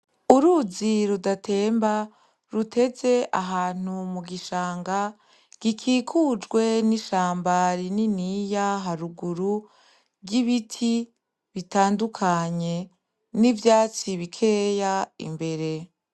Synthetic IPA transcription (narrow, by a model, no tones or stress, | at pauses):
uɾuziɾudatʰe̞ːmba | ɾute̞ze̞ʔaɦaːn̥umuɡiʃaːŋɡa | ɡ̥ikʰiːkʰuːd͡ʒɡwe̞niʃaːmbaɾininijaɦaɾuɡuɾu | ɟiβitʰi | βitaːndukʰaɲe̞ | nivjaːt͡siβikʰe̞jaḭmbe̞ɾe̞